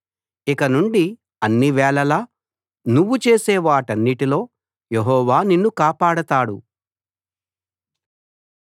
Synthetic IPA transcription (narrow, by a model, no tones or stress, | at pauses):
ikɐnuɳɖi | ɐnːiʋɛːɭɐlɐː | nuʋːut͡ʃe̞ːseːʋaːʈɐnːiʈilo̞ː | jeɦɔːʋaːninːukaːpaːɽɐt̪aːɽu